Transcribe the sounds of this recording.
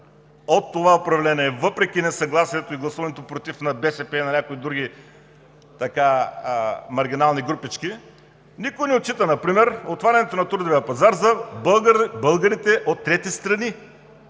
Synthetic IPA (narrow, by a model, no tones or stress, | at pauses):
ot̪ːovaopɾɐvlɛnʲiɛvɤpɾɛkʲinɛsɐɡlˠasiɛt̪oiɡlˠɐsuvɐnɛt̪opɾot̪ifnɐbɛsɛpɛnɐnʲakoid̪ɾuɡʲi | t̪ɐka | mɐɾɡʲinalˠniɡɾupit͡ʃki | nikoinɛot̪̚t͡ʃːit̪ənɐpɾimɛɾot̪vaɾʲɐnɛt̪onɐt̪uɾd̪ovijɐpɐzaɾzɐ | bɤlˠɡɐɾit̪ɛʔot̪ːɾɛt̪ist̪ɾɐni